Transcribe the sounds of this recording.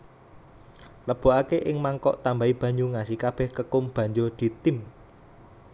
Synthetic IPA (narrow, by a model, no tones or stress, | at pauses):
ləb̥o̤ʔakeʔɪŋmaŋkɔʔt̪ambaib̥ä̤ɲuŋasikab̥ɛ̤hkəkʊmb̥ä̤ɲd͡ʒod̪̥i̤t̪ɪm